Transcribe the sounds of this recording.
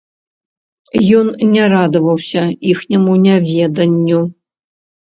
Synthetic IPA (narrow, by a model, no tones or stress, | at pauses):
jɔnnʲaɾad̪ɐvɐwsʲɐixnʲɐmunʲavʲɛd̪ɐnʲːu